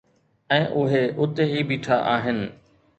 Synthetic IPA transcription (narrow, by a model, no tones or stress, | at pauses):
ɛ̃ːʔʊɦeʔʊt̪eɦiːbiːʈʰaʔaːɦɪnɪ̆